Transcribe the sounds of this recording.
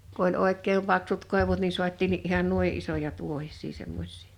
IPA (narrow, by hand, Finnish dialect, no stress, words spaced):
ku olʲ oˑekˑeːm pɑksut koˑeʋut ni suɑt̆ʲtiːnːiʔ ʔihɑn nui ʔisojɑ tuohisˑiː semːos̆ʲsi̥ː